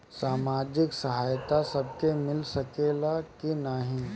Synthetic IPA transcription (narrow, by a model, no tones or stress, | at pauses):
saːmaːd͡ʒɪksɐɦaːjt̪asɐb̚kemɪlsɐkeːlakinaɦĩ